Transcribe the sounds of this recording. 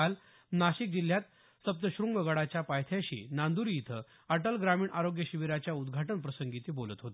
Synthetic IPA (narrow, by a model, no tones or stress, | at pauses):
al | naɕik̚d͡ʑil̤ːjat̪ | səp̚t̪əɕɾuŋɡʋəɡaɭat͡ɕjapajt̪ʰjaɕḭːnand̪uɾiit̪ʰə | əʈəlɡɾamiːɳʔaɾoɡjəɕiʋiɾat͡ɕjaud̪ɡʱaʈənpɾəsəŋɡit̪iːbolət̪ɦot̪e